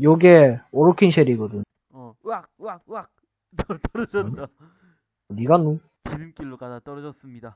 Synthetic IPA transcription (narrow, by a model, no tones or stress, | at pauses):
joɡeoɾokʰinɕʰeɾiɡʌdɯɲ | ʌwak̚wak̚wak̚ | tʌɾʌd͡ʑʌa | niɡanu | t͡ɕinɯmk͈iɭːokadat͈ʌɾʌd͡ʑʌs͈ɯmɲida